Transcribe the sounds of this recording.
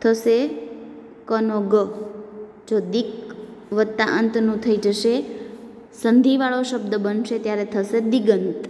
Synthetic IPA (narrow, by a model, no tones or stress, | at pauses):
t̪ʰəse | kənoɡə | d͡ʒod̪ik | ʋət̪ːaʔənt̪nũt̪ʰəid͡ʒəʃe | sənd̪ʱiʋaɭoʃəbd̪əbənʃet̪jaɾet̪ʰəsed̪iɡənt̪